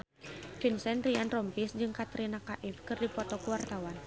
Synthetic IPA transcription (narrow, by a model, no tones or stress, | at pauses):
finsɛnɾianrɔmpisd͡ʒɨŋkat̪ɾinakaʔifkɨrdipɔt̪ɔkuwart̪awan